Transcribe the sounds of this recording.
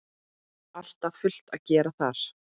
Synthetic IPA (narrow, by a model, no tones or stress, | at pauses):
al̥t̪afʏl̥t̪aðcɛːɾaθaɾ̥